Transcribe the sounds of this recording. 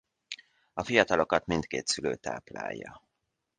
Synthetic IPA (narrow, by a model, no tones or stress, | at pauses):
ɒfijɒt̪ɒlo̞kɒt̪mint̪keːt̪syløːt̪a̰ːpla̰ːjːɒ